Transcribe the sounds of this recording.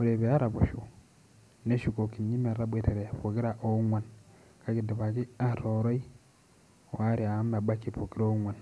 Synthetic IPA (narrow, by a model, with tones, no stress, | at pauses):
o˨ɾe˨βea˦ɾa˨βu˨ʃu˨ | ne˦ʃu˨ko˨ki˨ɲi˦me˨ɾa˦bwe˨teɾe˨fu˨ki˦ɾa˦ʔo˦ŋwa˨n | ka˦ki˨di˨βa˨ki˦a˦ɾo˨ɾo˦i˦˨ | wa˦ɾi˨a˨˦ma˨ba˦ki˦pu˨ki˦ɾo˦ŋwa˨n